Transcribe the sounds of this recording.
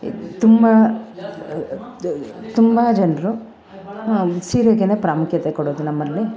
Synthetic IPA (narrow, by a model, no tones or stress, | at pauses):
t̪umbɐ | t̪umbɐd͡ʒɐnɾu | siːɾɐɡeneːpɾaːmukʰjɐt̪ekɔɽoːd̪unɐmːɐlːi